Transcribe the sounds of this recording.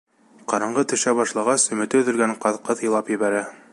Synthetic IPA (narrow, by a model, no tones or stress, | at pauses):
qɑɾɑɴɢɤt̪ɵ̆ʃæbɑʃlˠɑʁɑsɵ̆mɵ̆t̪ɘɵ̆ðɘ̆lɡæɴqɑðqɤðjɤ̆lˠɑpjɘ̆βæɾæ